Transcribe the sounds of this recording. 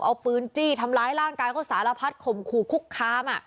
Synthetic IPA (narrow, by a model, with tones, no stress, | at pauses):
kʔa˧wpɯː˧˥nt͡ɕiː˥˩t̪ʰa˧mɾaː˦˥jɾaː˥˩ŋkaː˧jkʰɔː˥˩saː˩˦la˧pʰa˦˥t̪̚kʰo˨˩mkʰuː˨˩kʰu˦˥kʰːaː˧˥mʔa˨˩ʔ